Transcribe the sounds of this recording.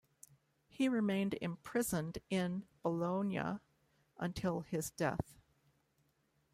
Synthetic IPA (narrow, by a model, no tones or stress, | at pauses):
hiɹɨmẽɪ̃ndɪ̰̃mpʰɹ̥ɪzə̃ndɪ̃nb̥əlõʊ̃njɨ̰ | ʔə̃ntʰɪlˠɪzdɛ̰θ